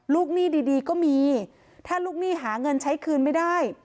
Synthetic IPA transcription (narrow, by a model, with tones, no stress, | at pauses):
luː˥˩k̚niː˥˩diː˧diː˧kɔː˥˩miː˧ | t̪ʰaː˥˩luː˥˩k̚niː˥˩ɦaː˩˦ŋɤ˧nt͡ɕʰa˦˥jkʰɯː˧nma˥˩jdaː˥˩j